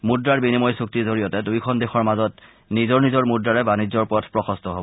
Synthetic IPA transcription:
mudɹaɹbinimɔjsuk̚tizoɹijɔtɛdujkʰɔndexɔɹmazɔt | nizɔɹnizɔɹmudɹaɹɛbanid͡ʑːɔɹpuɔtʰpɹɔxɔstɔɦobɔ

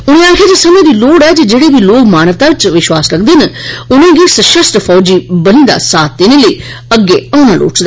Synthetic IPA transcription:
ʊɽ̃ẽːaːkʰeːd͡ʒesəmẽːd̪iːloːɽɛːd͡ʒeːd͡ʒeːɽeːbiːloːkmaːnəʋt̪aːt͡ʃʋɪʃwaːsləɡd̪eːnəʊnẽːɡiːsəʃəsʈ̪pʰɔːd͡ʒiːbəniːd̪a̰ːsaːt̪̚d̪enẽːləiː | əɡːeːãːñaːlʔo̰ːʈsd̪aː

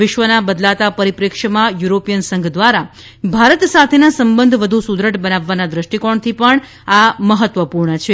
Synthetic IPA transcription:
ɪʃʋənabəd̪lat̪apəɾipɾekʂəmãjuɾopijənsə̃ŋɡd̪ʋaɾa | bʱaɾət̪sat̪ʰenasəmbənd̪ʱʋəd̪ʱusud̪ɾəʈbənaʋːanad̪ɾəʃʈikoɳt̪ʰipəɳ | aməɦət̪ʋəpuɾɳət͡ʃʰe

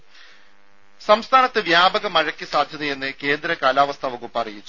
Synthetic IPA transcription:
sɐmst̪ʰaːnɐt̪ːɨʋjaːbɐɣɐmɐɻɐkːisaːd̪ʱjɐðɐje̞nːɨke̞ːnd̪ɾɐkaːlaːʋɐst̪ʰɐʋɐɣupːɐrijit͡ɕːu

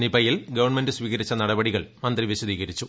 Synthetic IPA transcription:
nibɐjilɡɐʋɐrɳmendɨsʋiːɣɐɾit͡ɕːɐnɐɽɐbɐɽiɣɐɭmɐnd̪riʋiɕɐðiːɣɐɾit͡ɕːu

